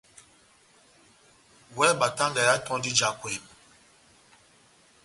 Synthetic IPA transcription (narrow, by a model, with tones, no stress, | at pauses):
wɛ˦ɓa˨ta˦ŋɡɛ˨ja˦tɔ̃˦di˦d͡ʒa˨kwe˨m